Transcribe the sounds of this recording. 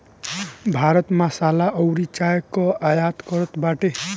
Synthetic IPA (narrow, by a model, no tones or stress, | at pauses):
bʱaɾʌt̪masalaʔʌɾit͡ʃajekːɔajat̪kʌɾʌt̪baʈe